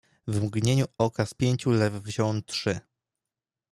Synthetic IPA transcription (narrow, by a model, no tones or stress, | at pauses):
vmɡɲeɲuɔkaspʲjeɲʲt͡ɕulɛvːʑɔ̃wnt̪ʂɘ